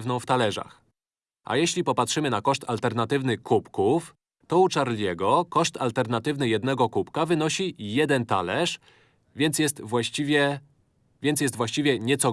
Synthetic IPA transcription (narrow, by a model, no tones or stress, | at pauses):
vnɔ̃w̃ft̪alɛʐa̰x | ʔa̰jɛɕlʲipɔpatʂɘmɘnakɔʂt̪a̰lt̪ɛɾnat̪ɘvnɘkupkuf | t̪ɔut͡ʂaɾlʲɛɡɔkɔʂt̪alt̪ɛɾnat̪ɘvnɘjɛd̪̚nɛɡɔkupkavɘnɔɕijɛd̪ɛnt̪alɛʂ | vʲjɛnt̪sʲjɛst̪vwaɕt͡ɕivʲɛ | vʲjɛnt̪ʲjɛst̪vwaɕt͡ɕivʲjɛɲɛt̪sɔ